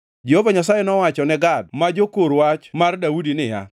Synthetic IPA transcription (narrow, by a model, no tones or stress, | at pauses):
d͡ʒehovaɲasajɛnɔwat͡ʃɔnɛɡad̚mad͡ʒokoɾwat͡ʃmardaudinɪja̰